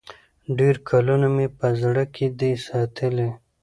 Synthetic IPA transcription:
ɖeɾkʰalunamepəzɽəkʰed̪esɑt̪ʰəle

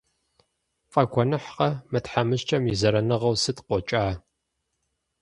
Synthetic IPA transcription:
fʼɐɡʷʰɔnɨħqɐmɨtħamɨɕt͡ʃʼɐmizɐɾɐnɨʁɐwsɨtqʷɔt͡ʃʼaː

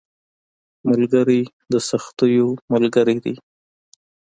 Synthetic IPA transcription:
mʊlɡəɾi | d̪əsaxt̪əjomalɡəɾid̪ḭ

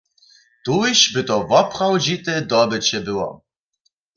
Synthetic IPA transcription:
t̪uɪɕbɘt̪ɔvɔpχawd͡ʑit̪ɛd̪ɔbɘt͡ɕɛbɘwɔ̰

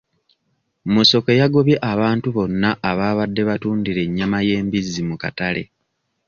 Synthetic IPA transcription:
moso̞ke̞jaɡo̞βje̞ʔaβaːntuβo̞nːaʔaβaːβadːe̞βatuːndiɾe̞ɲːamaje̞ːmbizːimukatale̞̰

